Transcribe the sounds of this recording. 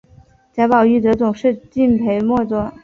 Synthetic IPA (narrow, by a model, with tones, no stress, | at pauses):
t͡ɕja˧˥pɑ˨˩ʊy˥˩t̪̬ɤ˧˥t͡sʊ˨˩ŋʂɻ̩˥˧t͡ɕi˥˩npʰe˧˥ɪmwɔ˥˧t͡swɔ˥˩